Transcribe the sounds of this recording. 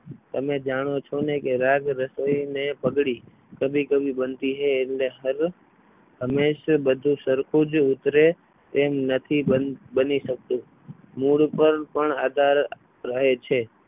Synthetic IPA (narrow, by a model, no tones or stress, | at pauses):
t̪əmed͡ʒaɽ̃ot͡ʃʰonekeɾaɡɾəsəjnepəɡɽi | kəbʱikəbʱibənt̪iɦeːʈleɦəɾ | ɦəmeʃbəd̪ʱũsəɾkʰud͡ʒut̪ɾe | t̪emnət̪ʰiəbəniʃək̚t̪ũ | muɭpəɾpəɳad̪ʱaɾː | əɦet͡ʃʰe